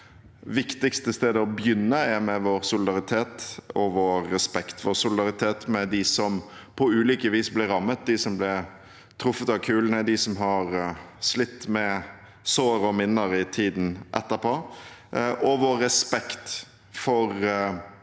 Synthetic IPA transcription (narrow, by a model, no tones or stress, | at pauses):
ʋɪkt̪ɪkst̪əst̪eːd̪əɔbjʏnːəɛmɛʋoːɾsʊlɪd̪ɑʁɪt̪ʰeːt̪ɔʋoːɾːɛspɛkt̪ʋɔːɾsʊlɪd̪ɑɾɪt̪ʰeːt̪mɛd̪ɪsɔmpʰɔʉːliːkəʋiːsblɪɾɑmːət̪̚d̪ɪsɔmblɪ | t̪ʰɾʊfːət̪ɑʋkʰʉːlənəd̪ɪsɔmɦɑɾ | slɪt̪ːmɛ | soːɾɔmɪnːəɾɪt̪ʰiːd̪n̩ʔɛ̰t̪ːəɾpʰoː | ʔɔʋoːɛspɛkt̪ | fɔɾ